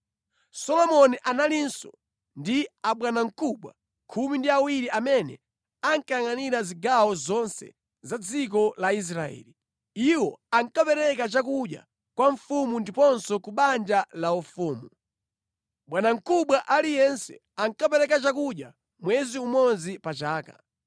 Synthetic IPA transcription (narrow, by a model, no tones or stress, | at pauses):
sɔlɔmɔniʔanalinsɔ | ndiaɓwanaŋ̩kuɓwa̰ | kʰumindiawiɾiʔamɛnɛ̰ | aŋkajaŋaniɾaziɡawɔzɔnsɛ̰ | zad͡zik̬ɔlais̬ɾaɛ̰ːli | iwɔaŋkapɛɾɛkat͡ʃakuɗja̰ | kwaɱfumundipɔnsɔkuɓand͡ʒalaufuːmu | ɓwanaŋ̩kuɓwaʔalijɛnsɛ̰ | aŋkapɛɾɛkat͡ʃakuɗja̰ | mwɛziumɔnzipat͡ʃaːka̰